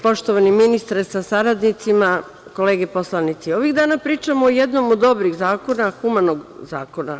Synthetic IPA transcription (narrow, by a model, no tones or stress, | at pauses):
po̞ʃt̪oʋaniminist̪aɾesasaɾad̪nit̪sima | ko̞le̞ːɡepo̞slˠanit̪sio̞ʋiɣd̪aːnapɾiːt͡ʃamoːjed̪no̞mod̪o̞bɾiɣzaːko̞naxumanoɡza̰ːko̞na